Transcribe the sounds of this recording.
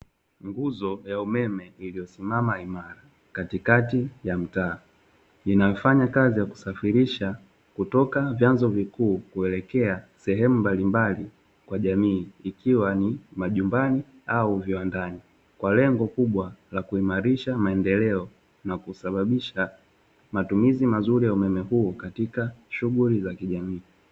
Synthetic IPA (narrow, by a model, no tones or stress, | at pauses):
ŋɡuzɔjaumɛmɛilijɔsimamaimaɾa | katikatijam̩taː | inajɔfaɲakazijaku̥safiɾiʃa | kutɔkavjanzɔvikuːkuɛlɛkɛasɛɦɛmumbalimbali | kwaʄamiːkiwanimaʄumbani | auviwandani | kwalɛŋɡɔkuɓwalakuimaɾiʃamaɛndɛlɛɔ | nakusaɓaɓiʃa | matumizimazuɾijaumɛmɛhuːkatikaʃuɣulizakiʄamiː